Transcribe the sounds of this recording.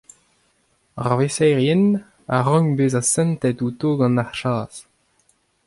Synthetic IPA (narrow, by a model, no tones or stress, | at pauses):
aʁvesɛːʁjɛn | aʁɔ̃ŋbeːzasɛ̃nt̪ɛtut̪oːɡɑ̃naʁʃaːz̥